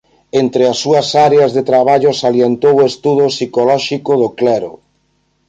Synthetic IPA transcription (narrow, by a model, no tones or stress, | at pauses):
ent̪ɾeasːuɐsaɾeazðet̪ɾaβ̞aʎʊsaljent̪owoest̪uðʊsikolɔʃikʊðoklɛɾʊ̰